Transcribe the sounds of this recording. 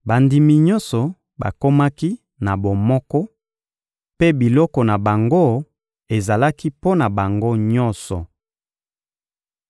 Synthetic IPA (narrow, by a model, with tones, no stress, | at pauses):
ba˨ndi˨mi˨ɲɔ̃˦nsɔ˨ | ba̰˨ko˦ma˦ki˦ | na˨bo˨mɔ˦kɔ˦ | pe˦bi˨lɔ˦kɔ˨na˨ba˨ŋɡo˦˨ | e˨za˨la˦ki˦po˦na˨ba˨ŋɡo˦ɲɔ˦nsɔ˨